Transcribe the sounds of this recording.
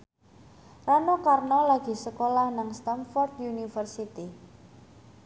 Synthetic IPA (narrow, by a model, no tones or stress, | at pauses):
ranɔkarnɔlaɡ̥i̤səkolahnaŋst̪amfɔrd̪unifərsit̪i